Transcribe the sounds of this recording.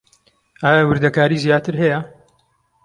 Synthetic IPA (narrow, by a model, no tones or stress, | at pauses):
aːjawɨɾd̪ɐkaːɾiːzjaːt̪ɨɾɦɛjɐ